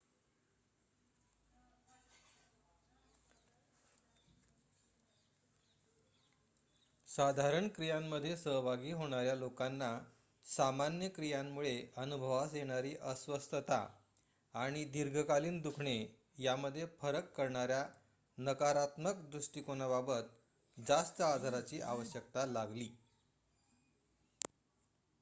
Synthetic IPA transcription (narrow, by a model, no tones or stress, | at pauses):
sad̪ʱaɾəɳkɾijamːəd̪ʱːjesəɦbʱaɡiːɦoɽ̃aɾjalokanːa | samanjəkɾijamːuɭeənubʱəʋasjeɽ̃aɾiːʔəsʋəst̪ʰət̪a̰ | aɽ̃id̪iɾɡʱəkaliːnd̪ukʰɳe | jaməd̪ʱːjefəɾəkːəɾɳaɾja | nəkaɾat̪məkd̪ɾuʂʈikonababət̪ | d͡zast̪əad̪ʱaɾat͡ɕiːʔa̰ʋəɕjək̚t̪alaɡliː